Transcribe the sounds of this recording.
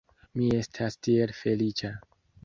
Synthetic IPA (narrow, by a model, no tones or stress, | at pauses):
mie̞stʰastielfe̞lit͡ʃa